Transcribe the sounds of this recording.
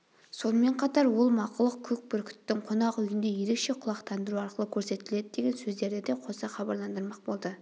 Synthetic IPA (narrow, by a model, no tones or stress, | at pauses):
so̞nəme̞ɴqʰɑt̪ɑɾwolˠmɑqʊlˠəq̚kʲʰɵk̚bɪɾkʲʰʏ̥t̪ːɪŋqʰonɑqʏjɪnd̪e̞je̞ɾe̞kʃe̞qʰʊlˠɑqt̪ʰɑnd̪əɾuɑɾqəlˠəkʲʰɵɾse̞t̪ɪle̞d̪ɪd̪e̞ɡʲe̞nsɵzd̪e̞ɾd̪ɪd̪e̞qʰo̞sɑχɑbɑɾlˠɑnd̪əɾmɑq̚bo̞lˠd̪ə